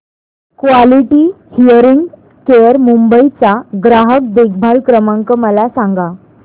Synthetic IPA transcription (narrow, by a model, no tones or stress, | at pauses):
kʋaliʈi | hijəɾiŋɡ | kejəɾmumbəit͡saɡɾaɦək̚d̪ek̚bʱalkɾəmãŋkəməlasãŋɡa